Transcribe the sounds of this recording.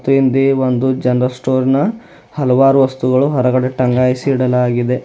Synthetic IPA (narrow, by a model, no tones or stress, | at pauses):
t̪uind̪eːʋond̪ud͡ʒɐnɾɐlsʈoːɾnɐ | hɐlɐʋaːɾuʋɐst̪uɡɐɭuɦɐɾɐɡɐɽe̞ʈɐŋɡaːjsiːɽɐlaːɡid̪e̞